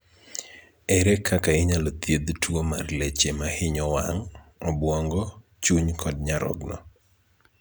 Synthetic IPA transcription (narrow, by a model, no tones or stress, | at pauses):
ɛɾɛkʰakaɪɲalɔt̪jed̪tʰwomarlet͡ʃemahɪɲɔwaŋɔbwɔŋɡɔ | t͡ʃuɲkʰɔdɲaɾɔ̰ɡnɔ̰